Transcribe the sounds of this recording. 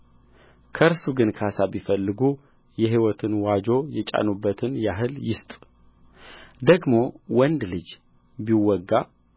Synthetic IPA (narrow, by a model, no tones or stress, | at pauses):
kʰəɨɾsuɡɨnkʰəhasaβifəlːɨɡu | jɛɦiwɔt̪ʰɨnwad͡ʒo̞jɛt͡ʃʼa̰nubːət̪ʰɨnjaɦɨljɪst̪ʼ | d̪əɡmo̞wɔnd̪lɨd͡ʒ | biwɔɡːa